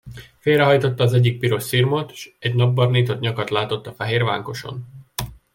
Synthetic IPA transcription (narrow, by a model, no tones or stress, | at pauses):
feːlrɾɛɦɒjt̪o̞t̪ːɒːzɛɟːik̚piɾo̞ʃsirmot̪ʃɛɟnɒbːɒrniːt̪o̞t̪ɲɒkɒt̪laːt̪o̞t̪ːɒfɛɦeːrva̰ːŋko̞ʃo̞̰n